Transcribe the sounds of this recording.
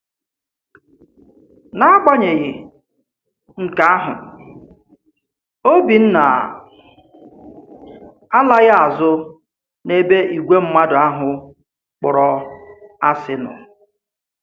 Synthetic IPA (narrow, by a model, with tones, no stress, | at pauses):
na˦a˦k͡pa˦ɲe˨ɣɪ˨ | ŋ̩˨ka˦a˦ɦʊ̰˨ | o˦bi˨n̩˦na̰˨ | a˦la˦ɣa˦a˨zʊ˦ | ne˦be˦i˨ɡʷe˦m̩˦ma˦dʊ˨a˦ɦʊ˨ | k͡pʊ˨ɾɔ˨ | a˦sɪ˦nʊ̰˨